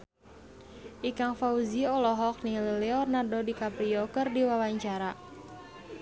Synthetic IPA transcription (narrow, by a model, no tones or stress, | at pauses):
ʔikaŋfauziɔlɔɦɔk̚nilileɔrnardodikapɾiɔkərdiwawaɲt͡ʃaɾa